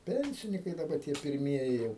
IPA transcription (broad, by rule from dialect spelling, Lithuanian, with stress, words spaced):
ˈpʲɛnʲsʲɪnʲɪkɐɪ dɐˈbɐ tʲiɛ pʲɪrʲˈmʲiɛjɪ jɛʊ